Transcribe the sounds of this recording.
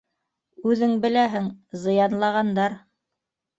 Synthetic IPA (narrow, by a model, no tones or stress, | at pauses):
ʉðɘŋbɘ̆læɦɘŋzɤ̆jɑnlˠɑʁɑnd̪ɑɾ